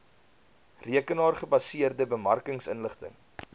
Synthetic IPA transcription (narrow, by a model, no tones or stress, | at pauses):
riəkənɑːrχəbɐsiərdəbəmɐrkəŋsə̰nləχtə̰ŋ